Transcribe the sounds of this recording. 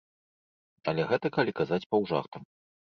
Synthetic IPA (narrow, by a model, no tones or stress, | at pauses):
ɐ̰lʲɛɣɛt̪ɐkalʲikazat͡sʲpɐwʐa̰xt̪ɐm